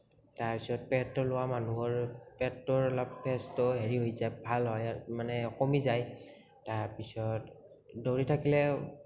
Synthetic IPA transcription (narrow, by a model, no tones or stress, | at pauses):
taɹpisɔt̚pɛtːɔlʊwamanuɦɔɹpɛtːɔɹlappɛstɔɦeɹiɦojzajbʱalɦɔjmanɛɔkɔmizaj | taɹpisɔt | doɹitʰakilɛ